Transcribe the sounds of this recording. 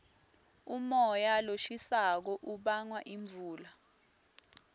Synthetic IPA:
umɔjaloʃisak̬ɔʔuɓaŋwaʔiɱbvʱuːla

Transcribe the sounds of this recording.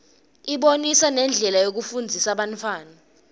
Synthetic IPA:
iɓonisanɛnd͡ɮʱɛlajok̬ufund͡zʱisaɓantʰwaːna

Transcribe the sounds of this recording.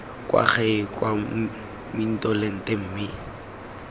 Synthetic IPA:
kʼwa̰χɛkʼwa | min̩tʼɔleŋ̩tem̩ːmɪ

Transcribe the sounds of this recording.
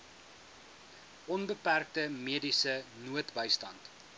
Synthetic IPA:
ʔɔnbəpærk̚təmiədisənuətbəjstɐnt

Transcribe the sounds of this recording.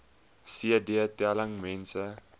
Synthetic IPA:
siədiətɛləŋmɛ̃nsə

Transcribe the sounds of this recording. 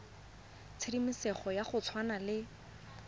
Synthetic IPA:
t͡sʰedimisɛχɔjaχʊt͡sʰwanalɪ

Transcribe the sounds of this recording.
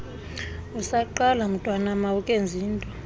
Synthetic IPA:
usaǃalam̩tʼwanamaukʼend͡zʱiːntʼɔ

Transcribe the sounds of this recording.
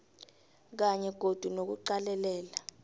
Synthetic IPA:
k̬aɲɛɡ̥ʱod̥ʱunok̬uǃalɛlɛːla

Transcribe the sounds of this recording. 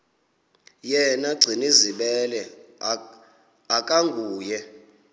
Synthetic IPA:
jɛnaɡ͡ǀʱiniziɓɛlɛ | akʼaŋɡʱuːjɛ

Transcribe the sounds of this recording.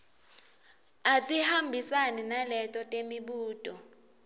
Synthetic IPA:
atʼihambʱisaninalɛtʼɔtʼemiɓuːtʼɔ

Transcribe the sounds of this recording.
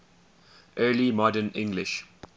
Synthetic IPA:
ʔɜːlimɔdənɪ̰̃ŋɡlɪʃ

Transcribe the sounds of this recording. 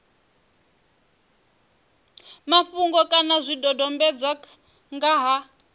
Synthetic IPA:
maɸuŋɡɔkʼanazʷidɔdɔmbɛd͡zwa | ŋɡaɦa

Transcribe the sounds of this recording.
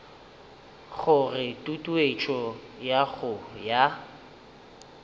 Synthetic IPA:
ɣʊrɪtʼutʼuet͡ʃʰʼɔ | jaɣʊja

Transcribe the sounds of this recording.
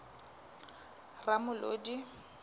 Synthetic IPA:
ramʊlodi

